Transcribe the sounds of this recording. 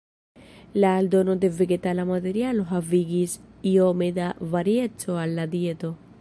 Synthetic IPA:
lald̪onod̪eveɡet̪alamaðeɾjaloɦaviɡisiomed̪avaɾjetʰoalːad̪jet̪o

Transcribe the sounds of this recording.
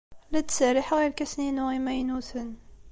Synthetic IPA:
læt̪sæɾiħɣiɾkæsninuʁimæjnuθən

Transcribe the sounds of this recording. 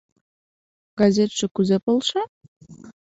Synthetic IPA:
ɡ̥ɑzʲet̪ʃĕkyzepolˠʃɑ

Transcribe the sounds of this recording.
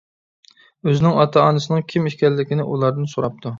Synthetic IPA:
øzɪnɪŋɑt̪ʰɑɑnɨsɨnɨŋkʲʰimiʃkʲɛlːɪkʲɪnɪʔulˠɑɾd̪ɨnsoɾɑp̚t̪ʰu

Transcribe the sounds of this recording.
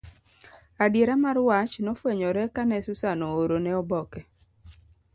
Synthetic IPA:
adjeɾamaɾwat͡ʃnɔfweɲɔɾɛkanɛsʊsanɔoɾonɛɔbɔkɛ

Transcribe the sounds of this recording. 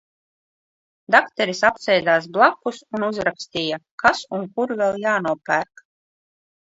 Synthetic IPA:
d̪akt̪ɛɾisapsɛjd̪aːs̬blˠakːusunuzɾakst̪ʲiːjakasuŋkuɾvʲɛlˠjaːnuɔpæːɾk

